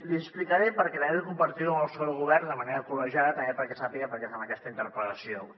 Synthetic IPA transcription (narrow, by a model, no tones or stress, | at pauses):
liəsplikəɾɛpəɾkɛlɛðəkumbəɾt̪iðuəməlˠsoɾəɣuβ̞ɛɾnd̪əməneɾəkuləʒaðət̪əmepəɾkɛsapiɣəpəɾkɛfanəkɛst̪əint̪əɾpɾət̪əsio